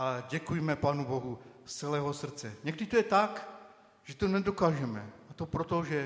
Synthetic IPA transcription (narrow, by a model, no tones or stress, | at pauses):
ʔaɟɛkujmɛpaːnuboɦut͡sɛlɛːɦosr̩t͡sɛɲɛɡdit̪ojɛt̪ak | ʒ̥ɛt̪onɛdokaːʒɛmɛat̪opɾot̪oʒɛ